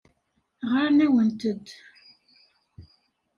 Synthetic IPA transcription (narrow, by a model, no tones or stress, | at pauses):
ʁaɾnæwənt̪əd̪